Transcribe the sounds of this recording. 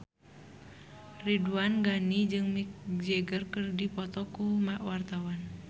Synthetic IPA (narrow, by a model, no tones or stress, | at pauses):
riduanɡanid͡ʒɨŋmik̚d͡ʒɛɡərkərdipɔt̪ɔkumaʔwart̪awan